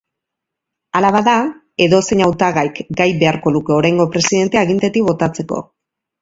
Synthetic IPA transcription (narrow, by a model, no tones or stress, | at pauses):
alaβaða | e̞ðo̞se̞ɲawt̪aɣajkɡajβe̞aɾko̞luke̞o̞ɾajŋɡo̞pɾe̞siðe̞nt̪eaɣ̞int̪et̪ikβo̞t̪at͡se̞ko̞̰